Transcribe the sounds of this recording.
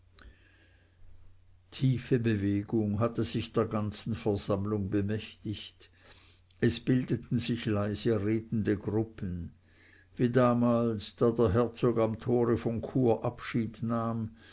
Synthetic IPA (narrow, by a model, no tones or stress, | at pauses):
tʰiːfəbəveːɡ̥ʊŋɦatəzɪçd̥eːɐɡant͡sn̩fɛɐz̥amlʊŋbəmɛçtɪçt | ɛsb̥ɪldətn̩zɪçlaɪzəʁeːtn̩dəɡʁʊpən | viːdaːmaːlsd̥aːdeːɐɦɛɐt͡soːɡamt̪ʰoːʁəfɔnkʰuːɐʔapʃiːdnaːm